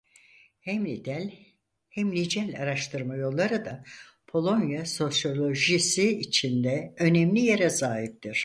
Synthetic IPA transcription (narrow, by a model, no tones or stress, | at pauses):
hɛd̪lʲ | hɛmlʲid͡ʒɛlʲaɾaʃt̪ʰɯɾmajo̞lˠːaɾɯd̪a | pʰo̞lˠo̞njaso̞sjo̞lʲo̞ʒisiːt͡ʃʰind̪ɛø̞nɛmlʲije̞ɾɛzaːɦip̚t̪ʰiɾ̥